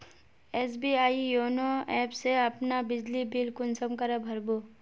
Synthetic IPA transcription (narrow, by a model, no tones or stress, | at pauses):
ɛːsbiaːijoːnoɛːpseɐpnabɪd͡ʒlibɪlkʊnsəmkɐɾebʱɐɾbo